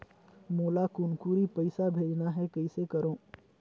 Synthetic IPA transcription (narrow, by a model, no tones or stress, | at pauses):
moːlakʊnkuːɾipɐɪsabʱeːd͡ʒnaɦɛkɐisekɐɾõː